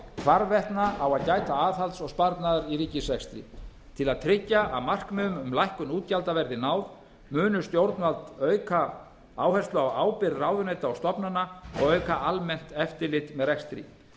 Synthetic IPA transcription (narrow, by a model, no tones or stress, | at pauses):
kʰvaɾvɛht̪naawaðcaːjt̪aaːðhalt̪sɔɣspaɾt̪naðaɾiɾiːcɪsɛkst̪ɾḭ | t̪ʰɪlaðt̪ʰɾɪcːaʔa̰ðmar̥kmʏːðʏmʏmlajhkʏnuːt̪calt̪avɛɾðɪnaːwð | mʏːnʏst̪jowɾt̪nvalt̪œːɥkʰa | aːwhɛ̥st̪lʏawaːwpɪɾraːwðʏneːjt̪aawst̪ɔpnanːaɔ̰ɣœːɥkaʔalmɛn̥t̪ɛft̪ɪlɪt̪mɛðrɛkst̪ɾḭ